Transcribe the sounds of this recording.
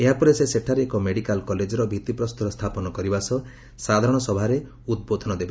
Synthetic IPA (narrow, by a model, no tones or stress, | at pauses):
eɦapɔɾeseseʈʰaɾeːkɔmeɽikalkɔled͡ʒɔɾɔbʱit̪ipɾɔst̪uɾɔst̪ʰapɔnɔkɔɾibasɔ | sad̪ʱaɾɔɽ̃ɔsɔbʱaɾe | ud̪̚bod̪ʱɔnɔd̪eba